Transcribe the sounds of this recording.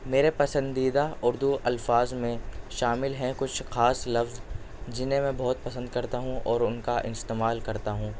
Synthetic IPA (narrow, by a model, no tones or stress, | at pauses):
meːɾepɐsə̃nd̪iːd̪aʊɾd̪uʔɐlfaːzmẽʃaːmɪlɦɛ̃kʊt͡ʃʰxaːslɐfz | d͡ʒɪnɦẽmɛ̃ːbɔːt̪̚pɐsə̃nd̪̚kɐɾt̪aɦũʔɔːɾʊnkaʔɪst̪eːmaːlkɐɾt̪aɦũː